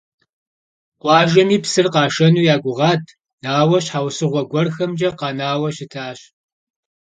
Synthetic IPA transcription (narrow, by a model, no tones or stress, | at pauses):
qʷɑːʒɐmiːpsɨrqɑːʃɐnuːjaːɡʷʊʁɑːtʰ | naːwɐɕħaːwsɨʁʷɔɡʷɔrxɐmd͡ʒɐqɑːnaːwɐɕɪtʰaːɕ